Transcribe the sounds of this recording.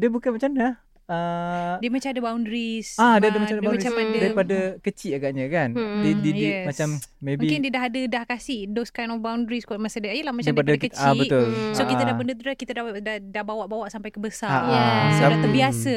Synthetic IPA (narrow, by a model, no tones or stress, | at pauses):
diəbukanmat͡ʃamn | ədiəmat͡ʃamadəbawndɾisadiəadəmat͡ʃamdbamɾt͡ʃamadədaɾipadakət͡ʃiʔaɡaʔɲəkandidijimast͡ʃamː | ebikɪndiədaɦadədahkasɪhdoskajnɔfbawndɾiskaʔmasədaajəlahmat͡ʃaɾipadakət̪ibət̪ʊlsokit̪adapəndət̪udakit̪adaadadahbawaʔbawaʔsampajkəbəsaaaadat̪əbiasə